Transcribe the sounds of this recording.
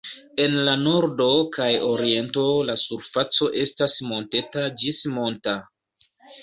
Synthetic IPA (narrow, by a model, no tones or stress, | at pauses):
e̞nlano̞ɾdo̞kajo̞ɾie̞nto̞lasuɾfat͡so̞ʔe̞stasmo̞nte̞tad͡ʒismo̞nta